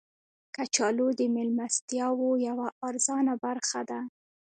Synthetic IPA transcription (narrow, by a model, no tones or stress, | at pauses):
kat͡ʃɑlod̪əmɪlmast̪jɑwojawaɑɾzɑnabaɾxad̪a